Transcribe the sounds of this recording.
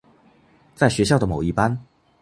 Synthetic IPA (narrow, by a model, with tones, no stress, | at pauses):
t͡sa˥˩ɪɕɥɛ˧˥ɕjɑ˥˩ʊd̪ə˩mo˨˩ʊi˥˩pa˦n